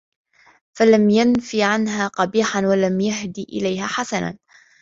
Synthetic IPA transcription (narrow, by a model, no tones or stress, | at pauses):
falamjanfiːʕanɦaːqɑbiːħanwalamjaɦd̪iːʔɪ̰lajhaːħasana̰n